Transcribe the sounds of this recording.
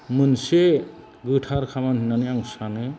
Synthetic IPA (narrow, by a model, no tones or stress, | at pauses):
munse | ɡɯʈʰaɾkʰabanɦinaniaŋsane